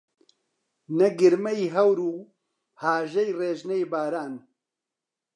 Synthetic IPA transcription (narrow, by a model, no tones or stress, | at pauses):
nɐɡɨɾmɛjɦɐwɾuː | haːʒɐjreːʒnejbaːɾaːn